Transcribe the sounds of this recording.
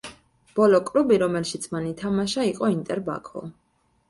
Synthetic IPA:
b̥ɔlɔkʼɾubiɾɔmɛlʃit̪sʰmanit̪ʰamaʃaiqʼɔint̪ʼɛɾba̰kʰɔ̰

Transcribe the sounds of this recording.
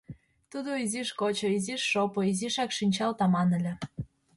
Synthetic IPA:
t̪ud̪oiziʃkot͡ɕŏiziʃːopoiziʃɑkʃinʲt͡ɕɑlt̪ɑmɑnə̆lʲĕ

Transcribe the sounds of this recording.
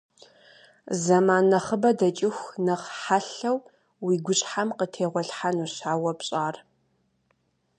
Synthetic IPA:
zɐmaːnɐχəbɐdɐt͡ʃʼɪxʷnɨχħaɬɐw | wiːɡʷʊɕʼħamqətʰeːʁʷɔɬħanuɕaːwɐpɕʼaːr

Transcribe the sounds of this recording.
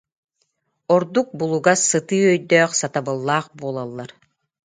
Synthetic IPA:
ɔɾd̪uk̚bulˠuɡasɯt̪ɯːœjd̪œːχsat̪abɯlˠːaːχbuɔːlˠalˠːaɾ

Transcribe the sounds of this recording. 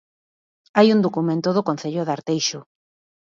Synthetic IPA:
ajund̪okumẽnt̪ʊðokon̟θeʎoðaɾt̪ejʃʊ

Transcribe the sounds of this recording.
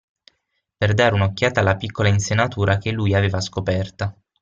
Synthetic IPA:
perd̪aːɾeunokːjaːt̪alːapikːolainsenat̪uːɾʔakelːujaveːvaskopɛrt̪a

